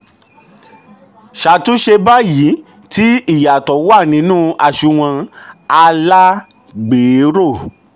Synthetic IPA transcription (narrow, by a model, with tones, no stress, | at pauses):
ʃa˨tu˨˦ʃe˧ba˦ji˨˦ | ti˦i˦˨ja˨tɔ˨˦wa˦˨nĩ˨˦nũː˦˧a˦˨ʃu˧˦w̃ã˧a˧la˦ | ɡ͡beː˨˦ɾo˦˨